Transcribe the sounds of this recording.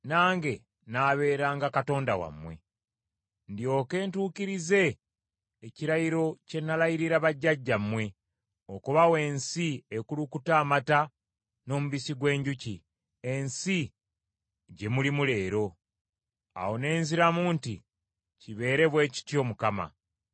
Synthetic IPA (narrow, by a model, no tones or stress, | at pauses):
naːŋɡe̞ | naːβe̞ːɾaːŋɡakato̞ːndawa̰mːwe̞̰ | ndjo̞ːke̞ːntuːkiɾize̞ː | ciɾajiɾo̞ce̞nːalajiɾiɾaβaɟːaɟːamːwe̞ | okuβawe̞ːnsiekulukutaːmata | no̞ːmuβisiɡwe̞ːɲɟuci | ensi | ɟe̞mulimule̞ːɾo̞ | a̰wo̞ne̞ːnziɾamuːnti | ciβe̞ːɾe̞βwe̞ːci̥tjo̞ːmukama̰